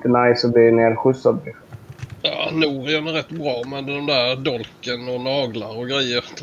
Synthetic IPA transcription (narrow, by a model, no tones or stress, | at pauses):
t̪ənajsɔb̪ɪneːɾɧɵsːad̪̚ | jɑ̰ːnuːɾɪənɾɛt̪ːbɾɑːmɛd̪ɔmd̪æːɾd̪ɔlkənɔnɑːɡlaɾɔɡɾɛjːəɾ